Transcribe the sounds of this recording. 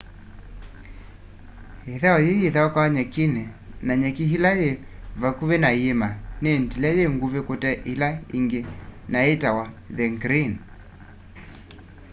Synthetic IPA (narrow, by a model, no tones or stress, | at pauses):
ɛðaɔjejeðaɔkawaɲɛkinɛnaɲɛkiɦilajɛvakuβɛnajemanɛntilɛjeŋɡuvɛkɔtɛʔilaḭŋɡenaɛtawa | ðɛŋɡɾin